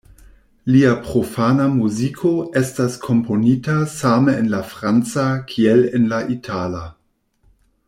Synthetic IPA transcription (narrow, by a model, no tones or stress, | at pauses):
liapɾofanamuzikʰo̞estaskʰo̞mpo̞nitasameenlafɾant͡sakʰielenlaʔitʰala